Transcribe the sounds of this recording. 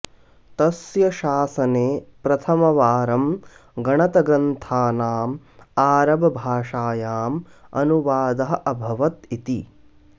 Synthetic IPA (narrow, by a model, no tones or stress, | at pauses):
t̪ɐsjɐʃaːsɐneːpɾɐt̪ʰɐmɐʋaːɾɐmɡɐɳɐt̪ɐɡɾɐnt̪ʰaːnaːm | aːɾɐbɐbʱaːʂaːjaːmɐ̰nuʋaːd̪ɐɦɐʔɐbʱɐʋɐt̪it̪i